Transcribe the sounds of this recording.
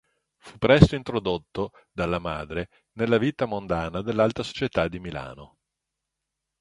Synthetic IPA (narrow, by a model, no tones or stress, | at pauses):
fupːɾɛst̪oint̪ɾod̪ot̪ːo | d̪alːama̰ːd̪ɾe | nelːaviːt̪amond̪aːnad̪elːalt̪ɾaso̥t͡ʃet̪ad̪ːimila̰ːno